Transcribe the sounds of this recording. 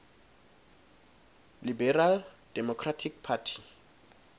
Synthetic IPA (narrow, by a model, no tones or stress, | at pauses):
libɛral | d̥ɛmɔkʰratʰikpʰatʰi̥